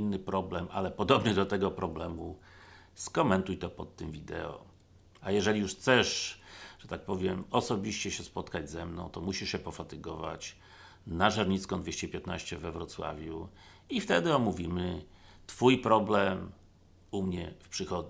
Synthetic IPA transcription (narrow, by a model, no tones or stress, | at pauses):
inːɘpɾɔblɛma̰lɛpɔd̪ɔbnɘd̪ɔt̪ɛɡɔpɾɔblɛmu | skɔmɛnt̪ujt̪ɔpɔt̪ːɘmvʲid̪ɛ̰ɔ̰ | ajɛʐɛlʲijuʂt̪sɛʂʐ̥ɛt̪ak̚pɔvʲjɛmɔsɔbʲiɕt͡ɕɛɕɛspɔt̪kad͡ʑzɛmnɔ̃w̃t̪ɔmuɕiʂɕɛpɔfat̪ɘɡɔva̰t͡ɕ | naʐaɾɲit̪skɔ̃d̪vʲeɕt͡ɕɛpʲjɛt̪naɕt͡ɕɛvɛvɾɔt̪swa̰vʲju | ift̪ɛd̪ɘɔmuvʲimɘt̪fujpɾɔblɛm | umɲɛfpʂɘxɔd̪